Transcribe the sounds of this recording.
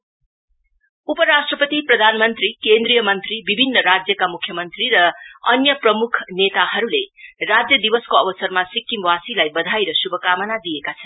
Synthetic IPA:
upʌɾasʈrʌpʌt̪iprʌd̪ʱanmʌnt̪rikend̪rijʌmʌnt̪ribibʱinːʌɾad͡zjʌkamukʰjʌmʌnt̪riɾʌʌnjʌprʌmukʰnet̪aɦʌɾulerad͡zjʌd̪ibʌskoʌbʌsʌrmasikːimwasilajbʌd̪ʱajɾʌsubʱʌkamʌnad̪iekat͡sʰʌn

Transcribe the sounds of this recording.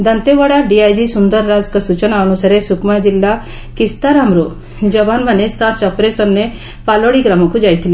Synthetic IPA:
d̪ənt̪eʋəɽaɖiajd͡ʑisund̪əɾːad͡zkəsut͡ɕənaːnusaɾesukmad͡ʑilːa | kist̪aɾamɾo | d͡ʑəbanmanesasɔpɾesənːe | paloɽiɡɾamakud͡ʑajt̪ʰili

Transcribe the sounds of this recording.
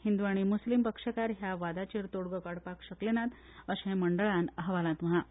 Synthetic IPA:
hind̪uʋaɽ̃imuslimpəkʂəkaɾɦjaʋad̪at͡ɕeɾt̪oɽɡəkəɽpakɕəklenat̪ | əɕẽməɳɖəɭãnəɦʋalãt̪məɦa

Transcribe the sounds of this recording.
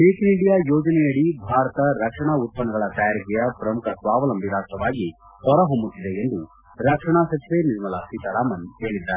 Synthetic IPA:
ʈeːkiɳɖijaːjoːd͡ʒɐnɛjɐɽibʱaːɾɐt̪ɐɾɐkʂɐɳaːut̪̚pɐnɐɡɐɭɐt̪ɐjaːɾikɛjɐpɾɐmukʰɐsʋaːʋɐlɐmʋiɾaːst̪ɾɐʋaːɡi | hɔɾɐɦombut̪ːid̪eend̪u | ɾɐkʂɐɳ̃aːsɐsʋeniɾmɐlaːsit̪ɐɾaːmɐnɦe̞ːɭid̪ːaɾ

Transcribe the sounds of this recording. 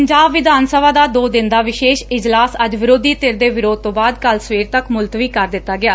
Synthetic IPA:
əɲd͡ʒaːbʋɪd̪aːnsəbaːd̪aːd̪oːd̪ɪnd̪aːʋɪʃeːʃɪd͡ʒlaːsəd͡ʒʋɪɾoːd̪iːt̪ɪɾd̪eːʋɪɾoːd̪̚t̪õːbaːd̪kəlsəʋeːɾt̪əkmʊlt̪ʋiːkəɾd̪ɪt̪ːaːɡɪaː

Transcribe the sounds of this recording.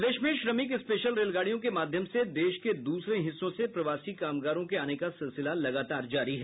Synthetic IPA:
d̪eːʃmẽʃɾɐmɪkɪspeːʃəlɾeːlɡaːɽijõkemaːd̪ʱjəmsed̪eːʃked̪uːsɾeɦɪsːõsepɾɐʋaːsikaːmɡaːɾõkeaːnekasɪlsɪlalɐɡaːt̪aːɾd͡ʒaːɾiɦɛ

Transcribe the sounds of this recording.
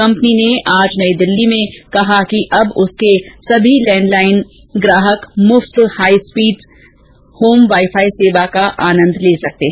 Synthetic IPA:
kɐ̃mpnineʔaːd͡ʒnɐid̪ɪlːimẽkɐɦakiʔɐbʊskesɐbʱilɛ̃ːɳɖlaːɪn | ɡɾaːɦəkmʊft̪haːispiːɖ | hoːmʋaːɪfʰaːiseːʋakaʔaːnə̃nd̪ʱleːsɐk̚t̪eɦɛ

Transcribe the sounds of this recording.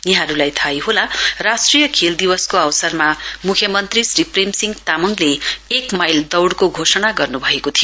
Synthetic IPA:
jʌɦãɾulajt̪ʰajɦolarasʈrijʌkʰeld̪ibʌskoawsʌrmamukʰjʌmʌnt̪risripremsiŋɡt̪amʌŋleekmajld̪ʌwɽkoɡʱosʌnaɡʌrnubʱʌekot̪ʰijo

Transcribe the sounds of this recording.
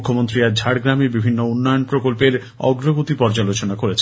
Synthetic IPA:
kʰːomont̪ɾiad͡ʑʱaɽɡɾamibibʱinːounːɔjonpɾokolpeɾ | ɔ̰ɡɾoɡot̪ipɔɾd͡ʑalot͡ɕonakoɾet͡ɕʰ

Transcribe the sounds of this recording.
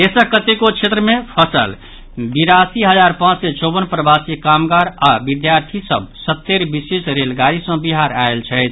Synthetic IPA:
esəkət̪ekot͡ʃʰet̪ɾəmepʰəsə̰l | biɾasiɦəd͡ʒaɾpãt͡ʃset͡ʃobənpɾəbasikamɡaɾabid̪jaɾt̪ʰisə̰b̚sət̪ːeɾbisesɾelɡaɾisə̃biɦaɾaelt͡ʃʰɛɪt̪ʰ

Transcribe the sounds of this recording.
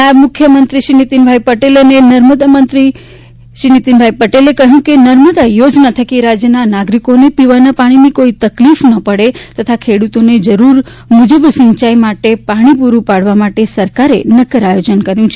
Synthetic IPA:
amʊkʰjəmənt̪ɾiʃinit̪inbʱajpəʈelənenəɾməd̪amənt̪ɾi | ʃinit̪inbʱajpəʈelekəɦjũkenəɾməd̪ajod͡ʒnat̪ʰəkiɾad͡ʒjənanaɡɾikonepiʋanapaɽ̃inikoit̪əklifnəpəɽet̪ət̪ʰakʰeɽut̪oned͡ʒəɾuɾ | mud͡ʒəbsə̃ɲt͡ʃajmaʈepaɽ̃ipuɾũpaɽʋamaʈesəɾkaɾenəkəɾajod͡ʒənkəɾjũt͡ʃʰe

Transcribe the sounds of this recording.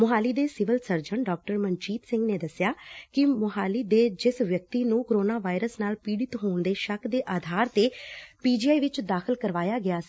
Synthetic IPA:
mʊɦaːliːd̪eːsɪʋəlsəɾd͡ʒəɳɖɔːk̚ʈəɾmənt͡ʃiːt̪sɪ̃ŋɡneːd̪əsjaːkɪmʊɦaːliːd̪eːd͡ʒɪsʋjək̚t̪iːnũːkoɾoːnaːʋaːiɾəsnaːlpiːɽɪt̪ɦoːɳd̪eːʃəkʰd̪eːʔaːd̪ʱaːɾt̪eːpiːd͡ʒiːaːiʋɪt͡ʃd̪aːkʰəlkəɾʋaːjaːɡɪaːsiː

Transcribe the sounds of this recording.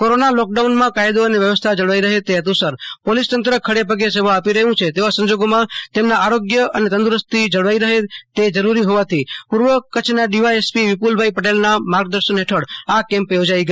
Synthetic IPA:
koɾonalɔk̚ɖaunmãkajd̪oəneʋjəʋəst̪ʰad͡ʒəɽʋaiɾəɦet̪eɦət̪ũsəɾpolist̪ənt̪ɾəkʰəɽepəɡes̬eʋaːpiɾəɦũt͡ʃʰet̪eʋasə̃ɲd͡ʒoɡomãt̪emnaaɾoɡjəənet̪ə̃nd̪uɾəst̪ʰid͡ʒəɽʋaiɾəɦet̪ed͡ʒəɾuɾiɦoʋat̪ʰipuɾʋəkət͡ʃʰnaɖiʋaespiʋɪpulbʱaipəʈelnamaɾɡd̪əɾʃənɦeʈʰəɽakɛ̃mpjod͡ʒaiɡə

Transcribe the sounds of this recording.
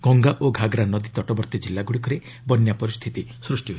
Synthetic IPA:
ɡ̥ɔŋɡaʔoɡʱaɡɾanɔd̪it̪ɔʈɔbɔɾt̪ɔd͡ʒilːaɡuɽikɔɾe | bɔnjapɔɾist̪ʰit̪isɾusʈiɦo

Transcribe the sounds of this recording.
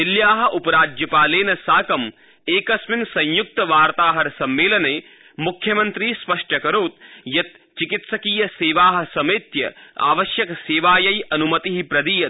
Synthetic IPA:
iljaːɦɐ̆ʔupɐɾaːd͡ʒjɐpaːleːnɐsaːkɐm | eːkɐsminsɐ̃ɲjuk̚t̪ɐʋaːɾt̪aːɦɐɾsɐmʋeːlɐneː | mukʰjɐmɐnt̪ɾiːspɐʂʈʰɐkɐɾoːt̪̚jɐt̪̚ | t͡ʃikit̪sɐkiːjɐseːʋaːɦɐ̆sɐmit̪jɐ̰a̰ːʋɐʃjɐkseːʋaːjɐjɐnumɐt̪iɦipɾɐd̪iːjɐ

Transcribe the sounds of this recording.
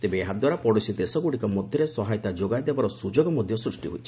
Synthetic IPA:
t̪ebeːɦad̪waɾapɔɽusid̪esɔɡuɽikɔmɔd̪ʱjɔɾesɔɦajt̪ad͡ʒoɡajd̪ebaɾɔsud͡ʒoɡɔmɔd̪ʱjɔsɾusʈiɦojt͡ʃʰi̥

